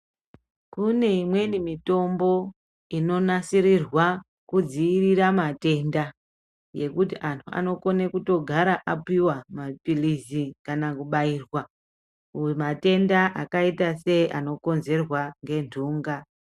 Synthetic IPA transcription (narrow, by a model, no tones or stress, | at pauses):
kune̞imwe̞nimito̞mbo̞ | ino̞nasiɾirwa | kud͡ziːriɾamate̞nda | je̞kutiʔantʰua̰no̞ko̞ne̞kuto̞ɡʱaɾaʔapiwamapilizikanakuɓaiːrwa | mate̞ndaʔakaitase̞ano̞ko̞nze̞rwaŋɡe̞ntuːŋɡa